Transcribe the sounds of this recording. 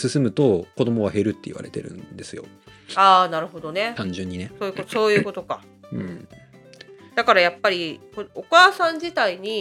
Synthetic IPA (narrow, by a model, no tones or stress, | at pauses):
sɨsɨmɯ̟t̪o̞ko̞d̪o̞mo̞βaɦe̞ɾɯ̟t̪ːe̞ḭβa̰ɾe̞t̪e̞ɾɯ̟̰̃nd̪e̞sɨjo̞̰ | aːnaɾɯ̟ɦo̞d̪o̞ne̞t̪ãɲd͡ʑɨ̃ɲ̟ːineso̞ːjɯ̟kot̪oso̞ːjɯ̟ko̞t̪o̞ka | ɯ̃ɴ | d̪̥akaɾajapːaɾʲikookaːsãɲ̟d͡ʑit̪aiɲ̟i